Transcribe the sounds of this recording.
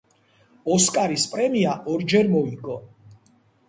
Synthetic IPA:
ɔskʼaɾispʼɾɛmiaʔɔɾd͡ʒɛɾmɔiɡɔ

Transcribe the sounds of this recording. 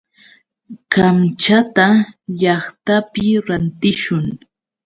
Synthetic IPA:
kamt͡ʃat̪aʎɑχt̪apɪɾant̪ɪʃʊŋ

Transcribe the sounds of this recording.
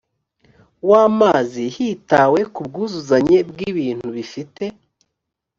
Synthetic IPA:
waːmaːzihitaːwe̞kub̚ɡuːzuzaɲe̞bɡiβiːn̥huβifite̞

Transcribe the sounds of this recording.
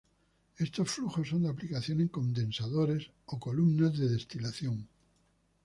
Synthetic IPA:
e̞st̪o̞sfluxo̞sːo̞nd̪eaplikaθjoneŋko̞nd̪ẽ̞nsaðoɾes | oko̞lumnazðe̞ðe̞st̪ilaθjo̞ŋ

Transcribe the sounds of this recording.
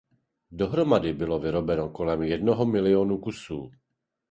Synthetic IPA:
doɦɾomadɪbɪlovɪɾo̞bɛnokolɛmjɛdnoɦomɪlɪoːnukusuː

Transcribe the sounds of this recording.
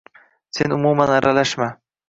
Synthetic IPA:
senʊmumanaɾʔalaʃma

